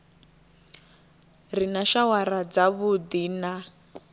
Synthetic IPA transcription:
rinaʃawaɾad͡zaβud̪iːna

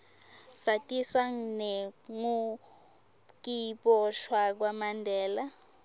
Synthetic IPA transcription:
satʼiswaŋ̩nɛŋu | k̬iɓɔʃwak̬wamandʱɛːla

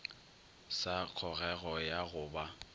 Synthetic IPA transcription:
sak͡xʰɔɣɛɣɔjaɣʊːba

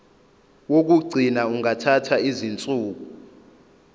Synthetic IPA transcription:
wok̬uɡ͡ǀʱinauŋatʰatʰaizint͡sʼuːk̬u

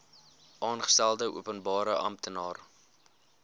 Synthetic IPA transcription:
ʔɑːnχə̥stælˠdəʔṵəpənbɑːɾəʔɐ̰mtənɑːr

